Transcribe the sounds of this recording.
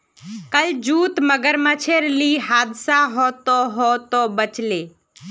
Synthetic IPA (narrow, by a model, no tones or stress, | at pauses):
kəld͡ʒuːt̪məɡəɾmət͡ʃʰeɾliːɦaːd̪saɦɔːt̪oːɦoːt̪oːbət͡ʃleː